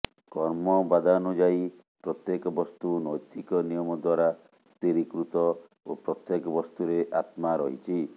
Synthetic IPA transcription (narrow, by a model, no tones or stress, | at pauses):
kɔɾmɔbad̪ʱanud͡ʒai | pɾɔt̪jekɔbɔst̪unɔjt̪ikɔnijɔmɔd̪waɾa | st̪iɾikɾut̪ɔ | opɾɔt̪jekɔbɔst̪uɾeʔat̪maɾɔɦit͡ʃʰi